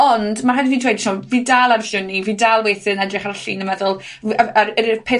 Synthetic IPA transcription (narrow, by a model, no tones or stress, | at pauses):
ɔndmaɦadviːndʰwejdʃʰɔːviːdalˠarfʊniviːdalˠwejθɨnɛdrɪχarɬinəmɛðʊlˠ | aɾɾpʰe